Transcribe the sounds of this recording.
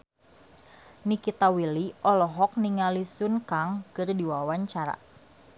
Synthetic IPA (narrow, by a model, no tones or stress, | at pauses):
nikit̪awiliʔɔlɔɦɔk̚niŋalisunkaŋkɨrdiwawaɲt͡ʃaɾa̰